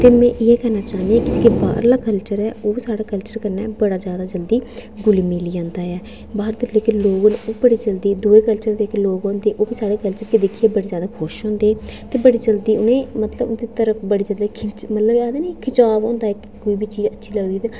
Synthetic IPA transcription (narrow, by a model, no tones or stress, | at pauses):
t̪eːmɛ̃ːʔɪɛːkɛːɾnaːt͡ʃaːɦnd̪iɛ̃ːkɪd͡ʒkeba̰ːɾlaːkəlt͡ʃəɾɛːoːbiːsaːɽaːkəlt͡ʃəɾkəɾnɛ̰ːbəɽaːd͡ʒjaːd̪aːd͡ʒəld̪iːɡʊliːmiliːãːnd̪aːɛː | baːɾd̪əleːkɪnloːɡnːoːbəɽiːd͡ʒəld̪iːd̪ueːkəlt͡ʃəɾd̪eːkloːɡõːnd̪eːʔoːbiːsaːɽeːkəlt͡ʃəɾkid̪ɪkʰːieːbəɽeːd͡ʒjaːd̪aːkʰʊʃɦõːnd̪eːt̪eːbəɽiːd͡ʒəld̪iːʊnẽːmət̪ləbʊd̪iːt̪əɾəfʰbəɽiːd͡ʒaːd̪akʰɪt͡ʃmət̪ləbaːd̪eːniːkʰɪt͡ʃaːbɔ̃ːnd̪aːɛkkoːiːbiːt͡ʃiːd͡ʒətːʃʰiːləɡd̪iːd̪aː